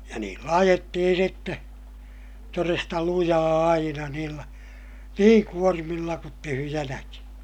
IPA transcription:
jɑ niːlːæ ɑjetːihin sitːe torestɑ lujɑː ɑinɑ niːlːæ niːŋ kuormilːɑ kut tyhyjænæki

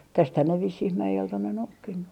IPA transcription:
tæsthæn ne ʋisːih mæjelt on ne noukːinːu

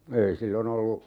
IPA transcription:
ei silːon olːu

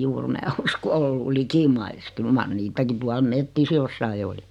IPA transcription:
juːr mæː usko o olːu likimɑis kyl mɑr niːtæki tuɑl metːis josːɑi oli

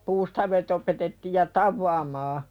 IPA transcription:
puːstɑʋet opetetːiːj jɑ tɑʋːɑːmɑː

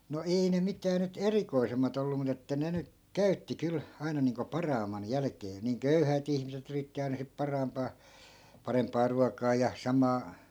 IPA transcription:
no ei ne mitæː nyt erikoisemːɑt olːu mut etːæ ne ny kæytːi kyl ɑinɑ niːŋko pɑrɑːmːɑn jælæ̆keː niːŋ køyhæˑt ihmiset yritːi ɑi̯nɑ sip pɑrɑːmpɑː pɑrempˑɑː ruɑkˑɑː jɑ sɑmɑː

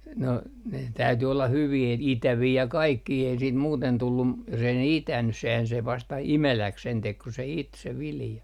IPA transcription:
no ne tæyty olːɑ hyʋiː et itæʋiː jɑ kɑikːiː ei siːt muːten tulːum m jos ei ne itæny sehæn se ʋɑstɑ imelæk sen tek ku se it se ʋiljɑ

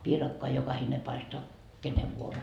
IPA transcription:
piːrɑkːoɑ jokɑhine pɑistoɑ keneʋ ʋuoro

